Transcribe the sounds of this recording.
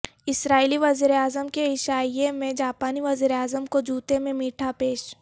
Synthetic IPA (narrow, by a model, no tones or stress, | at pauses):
ɪsɾaːiliʋɐziːɾeaːzəmkeɪʃaːijemẽd͡ʒaːpaːniʋɐziːɾeaːzəmkod͡ʒuːt̪emẽmiːʈʰapeːʃ